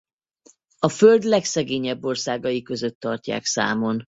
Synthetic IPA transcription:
ɒføld̪lɛksɛɡeːɲɛbːo̞rsaːɡɒjikø̞zøt̪ːɒrca̰ːksa̰ːmo̞n

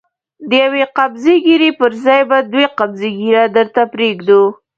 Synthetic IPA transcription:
d̪əjaweqabzeɡiɾepəɾzɑjbad̪weqabzeɡiɾad̪əɾt̪apɾeɡd̪u

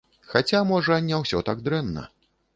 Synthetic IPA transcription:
xat͡sʲamɔʐɐnʲawsʲɔt̪aɡ̚d̪ɾɛnːɐ̰

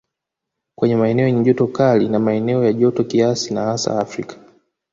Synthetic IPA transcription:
kwɛɲɛmaɛnɛɔjɛɲɛʄɔtɔkalinamaɛnɛɔjaʄɔtɔkiasinahasa̰ːfɾikḁ

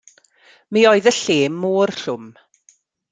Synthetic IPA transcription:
miːɔɨðəɬeːmːoːrɬʊm

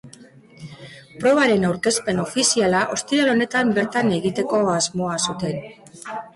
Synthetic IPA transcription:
pɾo̞βaɾe̞nawɾke̞spe̞no̞fisialaʔo̞st̪iɾalo̞ne̞t̪ambe̞ɾt̪ane̞ɣit̪e̞ko̞azmo̞asut̪e̞n

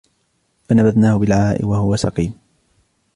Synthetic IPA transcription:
fanabad̪naːhʊbɪlʕaːʔɪ̰wahʊwasɑqiːm

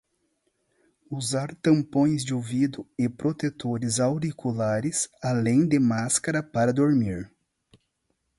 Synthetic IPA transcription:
uzaɾt̪ɐ̃mpõj̃zd͡ʒɪovid̪ʊɪpɾot̪et̪oɾɪzawɾikʰulaɾɪsalẽj̃d̪ɪmaskaɾɐpaɾɐd̪oɾmiɾ

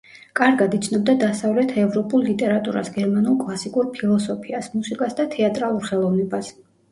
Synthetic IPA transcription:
kʼaɾɡad̪it̪sʰnɔb̚d̪ad̪asavlɛt̪ʰɛvɾɔpʼulˠlit̪ʼɛɾat̪ʼuɾa̰sɡɛɾmanulˠkʼlˠasikʼuɾpʰilˠɔsɔpʰiasmusikʼasd̪at̪ʰɛat̪ʼɾalˠuɾχɛlˠɔvnɛbas

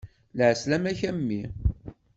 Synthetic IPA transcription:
lʕslæmæçæmːi

